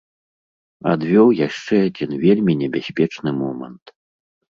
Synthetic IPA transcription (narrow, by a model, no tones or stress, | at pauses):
a̰d̪vʲɔwjaʂt͡ʂɛad͡zʲinvʲelʲmʲinʲɛbʲasʲpʲɛt͡ʂnɨmɔmɐ̰nt̪